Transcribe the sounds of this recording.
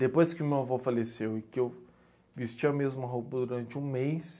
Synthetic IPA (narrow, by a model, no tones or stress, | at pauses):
d̪epojskɪʊmewavɔfalesewɪkɪew | vist͡ʃiɐmezmɐɦupɐd̪uɾɐ̃nt͡ʃɪũmejs